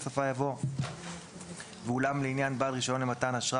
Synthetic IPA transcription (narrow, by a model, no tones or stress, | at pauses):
safajavo̞ | veulamleinjanbalʁiʃo̞nimatanaʃʁa